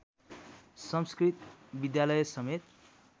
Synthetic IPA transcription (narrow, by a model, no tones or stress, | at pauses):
sʌmskrit̪bid̪jalʌjʌsʌmet̪̚